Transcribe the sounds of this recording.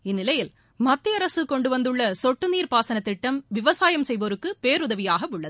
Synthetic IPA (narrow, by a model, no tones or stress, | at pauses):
ɪnːɪlɐjɪl | mɐt̪ːɪɐɾɐsɯkɔɳɖɯʋɐnd̪ɯɭːɐsɔʈːɯniːɾpaːsɐnɐt̪ːɪʈːɐmʋɪʋɐsaːjɐmsɛjʋoɾɯkːɯpeːɾʊðɐʋɪjaːɣɐɯɭːɐðɯ